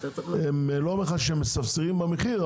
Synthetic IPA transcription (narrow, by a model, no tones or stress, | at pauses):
emlomeχad̪ʃeemːesavseʁimbameχi